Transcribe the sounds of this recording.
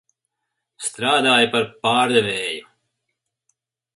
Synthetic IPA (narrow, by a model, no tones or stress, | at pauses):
st̪ɾaːd̪aːjpɐɾpaːɾd̪ɛʋeːju